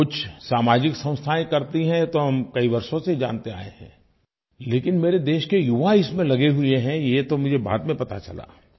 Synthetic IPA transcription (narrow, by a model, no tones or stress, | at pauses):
kʊt͡ʃʰsaːmaːd͡ʒɪksɐ̃ʊ̃st̪ʰaːẽkɐɾt̪iɦɛ̃t̪oɦɐmkɐiʋɐɾʃõsed͡ʒa̰ːnt̪ea̰ːeɦɛ̰̃ː | leːkɪnmeːɾed̪eːʃkejʊʋaɪsmẽlɐɡeɦʊeɦɛ̃jet̪omʊd͡ʒʱeba̰ːt̪mẽpɐt̪a̰t͡ʃɐla̰ː